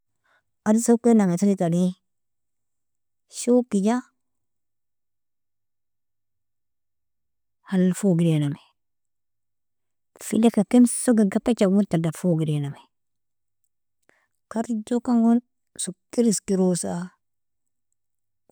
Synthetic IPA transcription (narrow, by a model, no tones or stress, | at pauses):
adisokenaŋetaɾitani | ʃokid͡ʒa | halfoɡiɾename | fḭlekakemsoɡeɡapet͡ʃawuɾtadafoɡiɾename | kaɾid͡ʒokaŋɡun | sukiɾiskiɾosa